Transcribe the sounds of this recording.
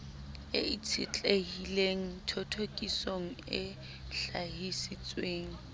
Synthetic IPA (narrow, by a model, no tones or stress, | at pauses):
ɪit͡sʰɪt͡ɬʼehileŋ̩tʰotʰokʼisoŋ̩ɪ̰ | ɬaɦisɪt͡sʼweːŋ̩